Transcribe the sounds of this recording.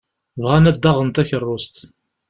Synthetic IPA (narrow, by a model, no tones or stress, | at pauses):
vʁænæd̪ːɑʁənt̪æçərˤːʊst̪